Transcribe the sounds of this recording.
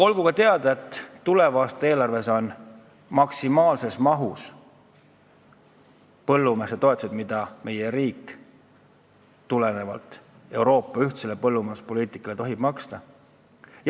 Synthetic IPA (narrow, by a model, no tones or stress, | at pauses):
o̞lɡ̥ukɑt̪e̞ɑd̪̥ɑe̞t̪ːule̞vɑːst̪ɑe̞ːlɑrve̞so̞n | mɑksimɑːlse̞smɑɦus | pɤ̞lːumeset̪o̞et̪ˑusd̪mid̪̥ɑme̞jeɾiːkːˑ | t̪ːule̞ne̞vɑ̰lt̪ˑ | e̞wɾo̞ːpːɑyht̪se̞le̞pɤlːumespo̞liːt̪ˑikːˑɑle̞t̪o̞ɦib̥mɑkst̪ɑ | j